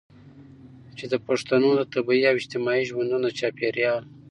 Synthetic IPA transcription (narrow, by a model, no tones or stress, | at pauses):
t͡ʃed̪əpaʂt̪anod̪ət̪abiiawɪd͡ʒt̪ɪmɑiʒwand̪unot͡ʃɑpeɾjɑl